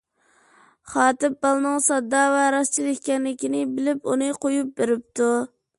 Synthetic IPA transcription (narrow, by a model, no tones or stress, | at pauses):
χɑːt̪ɪp̚bɑlˠnɨŋsɑd̪ːɑːvɛɾɑst͡ʃʰilˠɪkʲkʲɛnlɪkʲinɪbɪlɪpunɨqʰojup̚beɾɪp̚t̪u